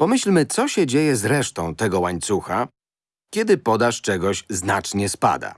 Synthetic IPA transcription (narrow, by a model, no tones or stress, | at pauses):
pɔmɘɕlmɘt̪sɔɕɛd͡ʑejɛzɾɛʂt̪ɔ̃w̃t̪ɛɡɔwaɲt̪suxa | kʲɛd̪ɘpɔd̪aʂt͡ʂɛɡɔɕznat͡ʂɲɛspa̰d̪a̰